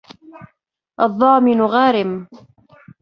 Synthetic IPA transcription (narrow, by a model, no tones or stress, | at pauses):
ʔɑðˤːɑːmɪnʊɣaːɾɪm